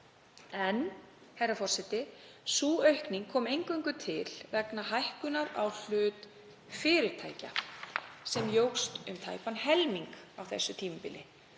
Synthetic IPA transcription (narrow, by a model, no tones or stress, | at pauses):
ɛn | hɛjrːafɔr̥sɛt̪ɪsuːœɥhkniŋkʰɔːmejŋkœɥŋkʏt̪ʰɪlvɛknaɦajhkʏnaɾawl̥ʏːt̪ | fɪːɾɪɾ̥t̪ʰa̰ːjca̰ | sɛmjowxst̪ʏmt̪ʰa̰ːjpanhɛlmiŋkawθɛsːʏt̪ʰiːmʏpɪlɪ